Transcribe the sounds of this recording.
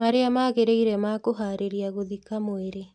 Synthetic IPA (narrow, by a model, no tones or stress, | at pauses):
aɾeamaɣeɾeiɾɛmaːkoɦaɾeɾiaɣoðikamoeɾe